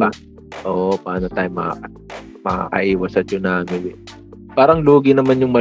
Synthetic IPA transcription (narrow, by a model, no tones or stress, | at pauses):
a | ʔoːʔopaːnɐt̪aːjʊmɐ | mɐʔɐ̰ʔiːwɐsɐt͡ʃonaːmɪwɪ | paːɾɐŋluːɡɪnɐmanjʊŋmɐ